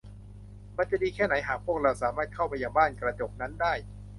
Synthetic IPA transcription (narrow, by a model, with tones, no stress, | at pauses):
ma˧nt͡ɕa˨diː˧kʰɛː˥˩na˩˦jɦaː˨˩k̚pʰu˥˩ək̚ɾa˧wsaː˩˦maː˥˩t̪̚kʰa˥˩wpa˧jaː˨˧˩ŋbaː˥˩nkɾa˧t͡ɕoː˨˩k̚na˦˥ndaː˥˩j